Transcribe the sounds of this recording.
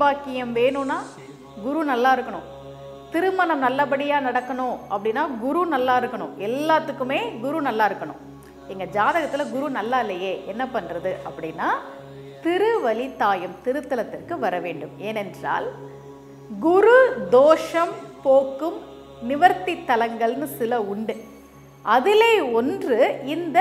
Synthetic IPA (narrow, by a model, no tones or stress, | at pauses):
baːkɪjɐmʋeːɳɯ̃naː | ɡʊɾunɐlːaːɪɾɯkːɐɳʊ̰̃ | t̪ɪɾɯmɐnɐmnɐlːɐp̬ɐɽɪjaːnɐɽɐkːɐɳʊ̃ɐpːɐɽɪnːaːɡʊɾunɐlːaːɪɾɯkːɐɳʊ̰̃ɛlːaːt̪ːɯkːɯmeːɡʊɾunɐlːaːɪɾɯkːɐɳʊ̰̃m | ɛŋɡɐd͡ʒaːðɐɣɐt̪ːɪlɐɡʊɾunɐlːaːɪlːɐjeːʔɛnːɐpɐnɾɐðɯɐpːɐɽɪnːaː | t̪ɪɾɯʋɐlit̪aːjɐmt̪ɪɾɯt̪ːɐlɐt̪ːɪrkɯʋɐɾɐʋeːɳɖɯmeːnɛndra̰ːl | ɡʊɾud̪oːʂɐmpoːkːɯm | nɪʋɐɾt̪it̪ːɐlɐŋɡɐɭnɯsɪlɐʊɳɖɯ | ʔɐðɪleːɔndrɯɪnd̪ɐ